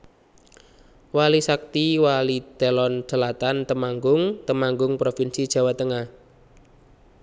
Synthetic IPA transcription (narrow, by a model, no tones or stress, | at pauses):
walisak̚t̪iwalid̪̥alɔn̥ʒ̥ə̤lat̪ant̪əmaŋɡʊŋt̪əmaŋɡʊŋpɾofinsid̥ʒ̥ä̤wat̪əŋah